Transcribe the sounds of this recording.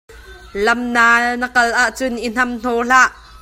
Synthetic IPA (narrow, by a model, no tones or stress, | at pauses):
lɐmnaːnəkɐlʔaʔt͡sʊnʔin̥ɐmn̥ɔːɬaʔ